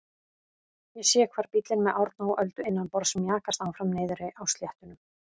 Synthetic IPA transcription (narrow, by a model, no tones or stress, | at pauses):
jɛsɛːakʰvaːɾ̥pit̪lɪnmɛðʔawɾt̪naɔʔœlt̪ʏɪnːanpɔɾsɛmjaːkast̪aːwfɾamneːjðʏɾɪʔawst̪ljɛht̪ʏnʏm